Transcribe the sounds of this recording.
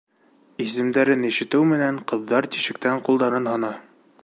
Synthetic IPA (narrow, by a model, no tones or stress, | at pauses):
is̬ɘ̆md̪æɾɘniʃɘ̆t̪ɘwmɘ̆næɴqɤ̆ðːɑɾt̪i̥ʃɘ̆k̚t̪æɴqulˠd̪ɑɾɤnhɑnɑ